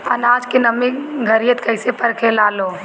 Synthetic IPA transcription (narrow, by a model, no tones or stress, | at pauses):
ənad͡ʒkenəmĩɡʱəɾijət̪kəɪsepəɾkʰelaːlo